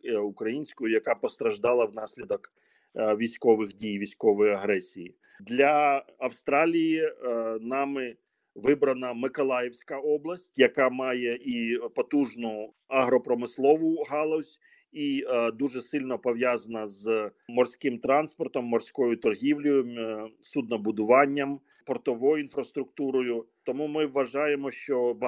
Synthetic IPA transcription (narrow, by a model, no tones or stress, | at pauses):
ukɾɐjinʲsʲkʊjʊjɐkɑpɔst̪ɾɐʒd̪ɑlˠɐwnɑsʲlʲid̪ɔk | ʋʲisʲkɔʋɪxdʲijʋʲisʲkɔʋɔjɐɦɾɛsʲijḭ | d̪lʲɐɐwst̪ɾɑlʲijinɑmɪ | ʋɪbɾɐnɐmɪkɔlˠɑjɛwsʲkɐɔblˠɐsʲtʲjɐkɑmɑjɛʔipɔt̪uʒnʊ | ɐɦɾɔpɾɔmɪslˠɔʋʊɦɑlˠɔsʲ | id̪uʒɛsɪlʲnɔpɔʋjazɐnɐzmɔrsʲkɪmt̪ɾɑnspɔrt̪ɔmːɔrsʲkɔjʊt̪ɔrɦʲiwlʲɔjʊsud̪nɔbʊd̪ʊʋɑnʲːɐm | pɔrt̪ɔʋɔjʊinfɾɐst̪ɾʊkt̪uɾɔjʊt̪ɔmumɪʋːɐʒɑjemɔʃt͡ʃɔb